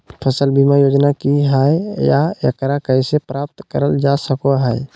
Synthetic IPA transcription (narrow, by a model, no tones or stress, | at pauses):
pʰəsəlbʱimajoːd͡ʒnakiɦaejajə̰kəɾakəisepɾap̚t̪kəɾəld͡ʒasəkoɦəj